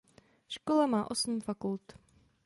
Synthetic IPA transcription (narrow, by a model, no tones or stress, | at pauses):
ʃkolamaːʔo̞sm̩fakult̪